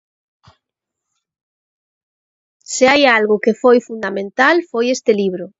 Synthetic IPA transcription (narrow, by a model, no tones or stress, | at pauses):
sɪajalɣʊkefojfund̪amẽnt̪alfojest̪ɪliβ̞ɾʊ